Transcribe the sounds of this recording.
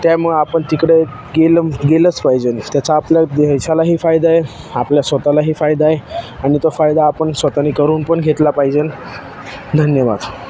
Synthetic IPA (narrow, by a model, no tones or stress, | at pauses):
t̪jaməɡapəɳt̪ikɽe | ɡelɡelət͡spajd͡zent̪jat͡saːpljad̪eɕalaɦiːfajd̪ae | apljasʋət̪alaɦiːfajd̪aeaɽ̃it̪ofajd̪aːpəɳsʋət̪anikəɾuːnpəɳɡʱet̪lapaid͡zen | d̪ʱənjəʋad̪